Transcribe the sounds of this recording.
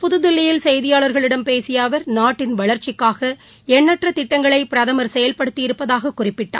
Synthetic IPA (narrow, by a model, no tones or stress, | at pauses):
pʊðɯðɪlːɪjɪlsɛjðɪjaːɭɐɾɣɐɭɪɽɐmpeːsɪjaːʋɐɾnaːʈːɪnʋɐɭɐɾt͡ʃːɪkːaːɣɐ | ɛɳːɐʈrɐt̪ɪʈːɐŋɡɐɭɐɪpɪɾɐðɐmɐɾsɛjɐlpɐɽɯt̪ːɪjɪɾɯpːɐðaːɣɐkːʊrɪpːɪʈːa̰ː